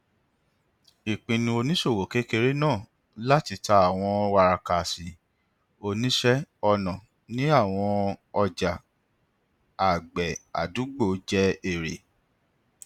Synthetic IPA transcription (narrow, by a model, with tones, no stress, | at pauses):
i˨k͡pĩ˧nĩ˧o˧nĩ˦ʃo˦˨wo˨ke˨˦ke˧ɾe˦nãː˦˨ | la˦ti˧ta˧˦a˦˨w̃ɔ̃˧wa˧ɾa˧ka˨si˨ | o˧nĩ˦ʃɛ˦ɔ˧nã˨ | nĩ˨˦a˦˨w̃ɔ̃˧ɔ˧d͡ʒa˨ | a˨ɡ͡bɛ˨a̰˨du˨˦ɡ͡bo˦˨˦d͡ʒɛ˦e˦˨ɾe˨